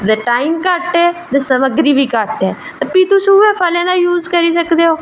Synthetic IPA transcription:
d̪əʈaːiːmkəʈɛːd̪esəməɡɾiːbiːkəʈɛː | t̪epiːt̪usũːepʰəlẽːd̪aːjuːzkəɾiːsəkd̪eːoː

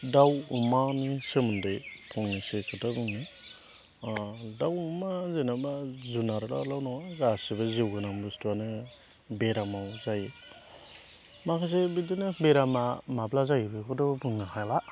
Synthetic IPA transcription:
dawumanisɯmɯndɯjpʰɔŋnisekʰɯtabɯŋnɯ | dawumazenabazunaɾla̰lawnɔŋaɡasibazewɡɯnambɯstuanɯ | beɾamawzajɯ | makʰas̬ebidinɯbeɾamamablazajbɯkʰɯdɔbɯŋnahajla

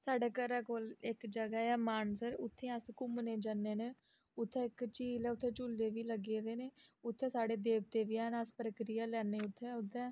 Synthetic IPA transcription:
saːɖeːkəɾɛːkoːlɪkd͡ʒəɡaːɛːmaːnsəɾʊt̪ʰːẽːəskʊmneːd͡ʒənːeːneː | ʊt̪ʰːɛ̃ːɪkt͡ʃiːlɛːʊt̪ʰːẽːt͡ʃʊlːeːʋiːləɡeːd̪eːneːʊt̪ʰːẽːsaːɽeːd̪eːb̚t̪eːʋiːɛːnəspɾəkɾijaːlɛːneːʊt̪ʰːɛːʊt̪ʰːɛ̃ː

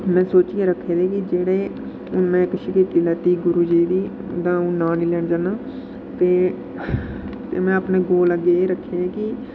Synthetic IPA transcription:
mɛ̃ːsoːt͡ʃiːeːɾəkʰːeːd̪eːkid͡ʒeːɽeː | mɛ̃ːkəʃiːkiːt̪iːlɛːt̪iːɡʊɾuːd͡ʒiːd̪iː | d̪ãːũːnaːniːlɛːɳd͡ʒaːnaː | t̪eː | t̪eːmɛ̃ːəpnẽːɡoːləɡeːeːɾəkʰːeːeːki

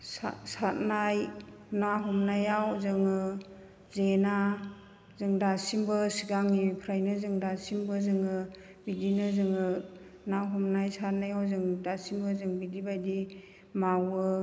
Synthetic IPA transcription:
sa̰sat̚naj | naɦɔmnajawzɯŋɯ | zena | zɯŋdasimbɯsiɡaŋipʰɾajnɯzɯŋdasimbɯzɯŋɯ | bidinɯzɯŋɯ | naɦɔmnajsat̚najawzɯŋdasimbɯzɯŋbidibajdi | mawɯ

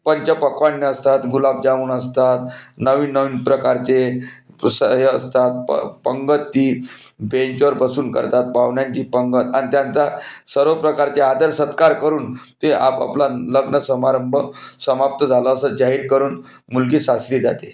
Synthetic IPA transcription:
pəɲt͡ɕapəkʋaɳːəəst̪at̪ɡulab̚d͡ʑaʋuːnəst̪at̪nəʋiːnːəʋiːnpɾəkaɾt͡ɕe | səɦəst̪at̪̚ppəŋɡət̪ːiːbẽɲt͡ɕʋəɾbəsuːnkə̰ɾt̪at̪̚paʋɳjaɲt͡ɕiːpəŋɡət̪anit̪jant͡sasəɾʋəpɾəkaɾt͡ɕead̪əɾsət̪kaɾkəɾuːnt̪eʔa̰pa̰plaləɡnəsəmaɾəmbʱəsəmap̚t̪əd͡zʱaləəsəd͡ʑaɦiːɾkəɾuːn | mulkiːsasɾiːd͡zʱa̰t̪e

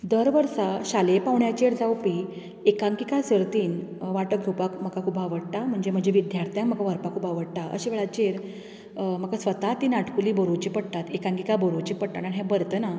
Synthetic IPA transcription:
d̪əɾʋəɾsaɕalepaʋɳjat͡ɕeɾd͡zawpi | ekãŋkikasəɾt̪iːnʋaʈəɡʱjopakm̤əkakʰuːbaʋəɽʈ̪am̤əɳd͡ʑem̤əɳd͡ʑeʋid̪jaɾt̪jãkm̤əkaʋəɾpakʰuːbaʋəɽʈ̪aʔə̰ɕiʋeɭat͡ɕeɾ | m̤əkasʋət̪at̪iːnaʈkuliːbəɾot͡ɕipəɽt̪at̪ekãŋkikabəɾot͡ɕipəɽt̪at̪aɳɦɛ̃bəɾt̪əna

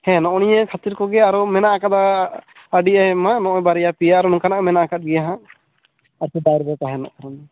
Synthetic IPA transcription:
hɛ̃nɔ̃ʔɔɽ̃ijəkʰat̪iɾkɔɡɛaɾɔmɛnaʔakat̪aː | ɖiamanɔ̃ʔɔbaɾɛjapijaaɾɔnɔ̃kanaʔmɛnaʔakat̪̚ɡɛjaɦã | aɾt̪id̪ajɾbɛkaɦɛnɔ̰ʔkaɾanɛ

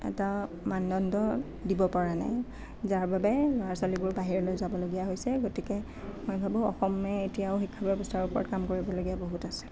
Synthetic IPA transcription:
ɛ̰ta | manːɔndɔ | dibɔpaɹana̰j | zaɹbabɛlɔaɹsalibʊɹbaɦiɹɛlojzabɔloɡijaɦojsɛɡotikɛ | mojbʱabʊ̃ɔ̰xɔmɛetijaʊxikʰːabɔbɔstʰaɹupɔɹɔtkamkoɹibɔloɡijaboɦutasɛ̥

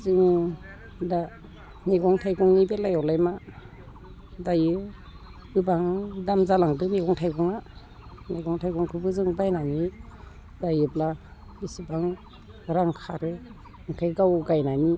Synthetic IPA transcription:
zɯŋ | da | neɡɔŋtʰajɡɔŋnibelajɔwlajma | dajɯ | ɯbaŋdamzalaŋdɯmeɡɔŋtʰajɡɔŋa | naɡɔŋtʰajɡɔŋkʰɯbɯzɯŋbajnani | dajɯpla | bisɯbaŋ | ɾaŋkʰaɾɯ | ɯŋtʰajɡawɡajnani

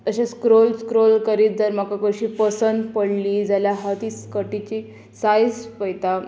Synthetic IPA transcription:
t̪əɕaskɾolskɾolkəɾiːt̪̚d͡zəɾmakakəɕiːpəsənd̪pəɽliːd͡zaljaɦət̪iskəʈit͡ɕi | sajd͡zpəjt̪a

